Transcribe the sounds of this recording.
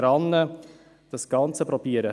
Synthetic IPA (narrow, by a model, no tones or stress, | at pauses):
ɾɑnə | d̥ɑsɡ̥ɑnt͡səpɾɔpiːəɾə